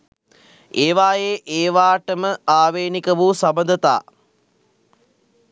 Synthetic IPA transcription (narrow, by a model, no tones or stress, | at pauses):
eːʋaːjeːʔeːʋaːʈəməaːʋeːnikəʋuːsabənd̪ət̪a̰ː